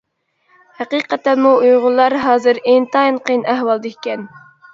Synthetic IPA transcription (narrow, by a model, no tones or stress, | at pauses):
hæqiqɛt̪ːɛnmuujʁʊlˠːɑɾɦɑːzɨɾeŋt̪ʰɑjinqʰəjnæɦwɑlˠd̪ɨkʲikʲɛn